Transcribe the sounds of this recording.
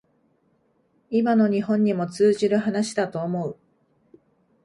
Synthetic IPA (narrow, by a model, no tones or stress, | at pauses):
imano̞ɲ̟iɦõ̞ɲ̟ːimo̞t͡sɨːʑiɾɯ̟ɦanaɕi̥d̪at̪o̞ːmo̞ɯ̟